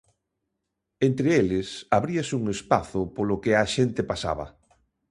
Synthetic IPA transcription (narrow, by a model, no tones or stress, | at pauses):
ent̪ɾeelɪsaβɾiasuŋespaθʊpolʊkɪaʃent̪ɪpasa̰βɐ̰